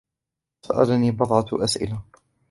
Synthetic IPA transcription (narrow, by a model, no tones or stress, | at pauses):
sa̰ʔa̰laniːbɑðˤʕɑt̪ʔasʔɪ̰la